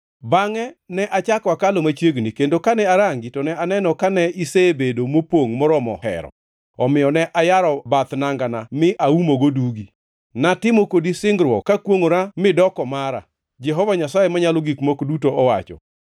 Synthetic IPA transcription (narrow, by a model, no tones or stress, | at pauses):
baŋɛnɛʔat͡ʃakwakalomat͡ʃeɡnikendokanɛaɾaŋɡitɔnɛanɛnɔkanɛisebedomopwoŋmɔɾɔmɔ̰hɛ̰ɾɔ̰ | ɔmɪjɔnɛʔajaɾɔbat̪naŋɡanamɪʔaumoɡoduɡi | natɪmokodisɪŋɡɾwɔkakwoŋoɾamɪdɔkɔmaɾa̰ | d͡ʒɛɦɔvaɲasajemaɲalɔɡikmokdutoɔwa̰t͡ʃɔ̰